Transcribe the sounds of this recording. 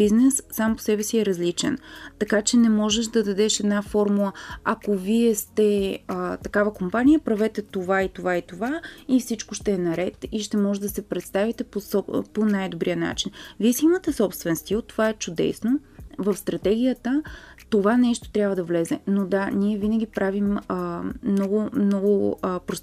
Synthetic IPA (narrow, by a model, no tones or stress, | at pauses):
biznɛsːampo̥sɛbɛsiɛɾɐzlit͡ʃɛ̰nt̪ɐkat͡ʃɛnɛmɔʒɛʃd̪ɐd̪ɐd̪ɛʃɛd̪nafɔɾmulˠəɐkoviɛst̪ɛt̪ɐkavəkompanʲijəpɾɐvɛt̪ɛt̪ovait̪ovait̪ovaifsit͡ʃkoʃt̪ɛːnɐɾɛt̪iʃt̪ɛmɔʒɛd̪d̪ɐsɛpɾɛt̪st̪avit̪ɛposɔponajd̪obɾijəna̰t͡ʃinviɛsiimət̪ɛsɔpst̪vɛnst̪ilˠt̪ovaɛt͡ʃʊd̪ɛ̰snovəfst̪ɾɐt̪ɛɡ̟ʲijət̪ət̪ovanɛʃt̪o̥t̪ɾʲabvəd̪ɐvlɛzɛnod̪aniɛvinəɡ̟ʲipɾaviməmnɔɡʊmnɔɡʊpɾos